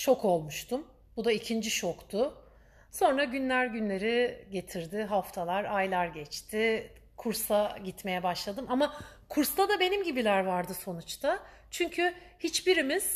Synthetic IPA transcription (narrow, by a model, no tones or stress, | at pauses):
t͡ʃʰo̞kʰo̞lˠmuʃt̪ʰum | bud̪aicʰind͡ʒiʃo̞kt̪ʰʊ | so̞nɾaɟynlʲæɾɟynlʲe̞ɾiɟe̞t̪ʰiɾd̪ɪɦaft̪ʰalˠaɾajlˠaɾɟɛt͡ʃt̪ʰɪ | kʰuɾsaɟit̪me̞jɛbaʃlˠad̪ɯmama | kʰuɾst̪ad̪abe̞nimɟibilʲæɾvaɾd̪ɯso̞nut͡ʃt̪ʰa | t͡ʃʰyɲcʰyhit͡ʃbiɾimiz̥